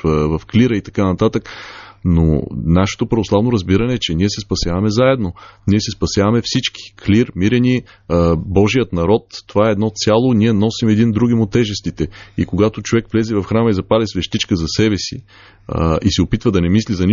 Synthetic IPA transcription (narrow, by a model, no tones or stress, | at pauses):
vɐfkliɾəit̪ɐ̥kanɐt̪at̪əkno̰naʃɛ̥t̪opɾɐvoslˠavnoɾɐzbiɾɐnɛːt͡ʃɛniɛsɛspɐsʲjavɐmɛzaɛd̪noniɛsɛspɐsʲjavɐmɛfsit͡ʃki̥kʰliɾmiɾɛni | bɔʒijət̪nɐɾɔt̪ːovaɛːd̪nɔt̪sʲjalˠoniɛnɔsimɛd̪ind̪ɾuɡimʊt̪ːɛʒɛst̪it̪ɛḭkoɡat̪ot͡ʃovɛkvlɛzɛvɐfxɾanəizɐpad̪ɛsvɛʃt̪it͡ʃkəzɐsɛbɛsi | isɛopit̪vəd̪ɐnɛmislizɐnʲi